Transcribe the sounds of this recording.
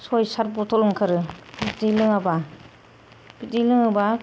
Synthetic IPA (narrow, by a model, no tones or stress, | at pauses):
sojsaɾbɔtʰɔlɯŋkʰɯɾɯbitilɯŋaba | b̥idilɯŋaba